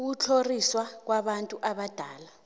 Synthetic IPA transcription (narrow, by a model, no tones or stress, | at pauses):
k̬ut͡ɬʰoriswak̬waɓantʼuʔaɓad̥ʱaːla